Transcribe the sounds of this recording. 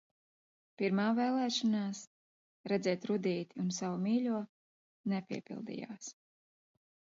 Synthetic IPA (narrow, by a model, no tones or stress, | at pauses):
piɾmaːvɛːlˠɛːʃɔnaːs | ɾɛd̪zɛːt̪ɾud̪iːt̪iunsavumiːlʲuɔ | nɛpʲḭɛpʲḭlˠd̪ḭja̰ːs